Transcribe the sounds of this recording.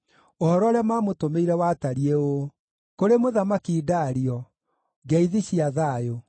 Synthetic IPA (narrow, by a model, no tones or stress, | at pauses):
ohɔɾɔɾeamaːmotomeiɾɛwataɾieo | koɾemoðamakidaɾiɔ | ɡɛiðiɕiaðaːjo